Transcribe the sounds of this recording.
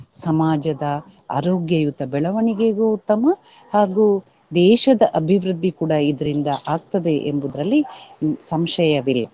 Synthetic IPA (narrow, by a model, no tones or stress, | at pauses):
sɐmaːd͡ʒɐd̪ɐ | a̰ːɾoːɡjɐjut̪ɐbɛɭɐʋɐɳiɡeɡout̪ːɐmɐhaːɡuː | d̪ɛːʃɐd̪ɐʔɐbʱiʋɾud̪ʱːikuːɽɐid̪ɐɾind̪ɐʔaːɡ̚t̪ɐd̪e̞ʔembud̪ɾɐlːisɐmʃɐjɐʋilːɐ